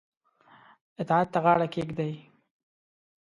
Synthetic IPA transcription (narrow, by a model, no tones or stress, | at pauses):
ɪt̪ɑad̪̚t̪aɣɑɽakeɡd̪aj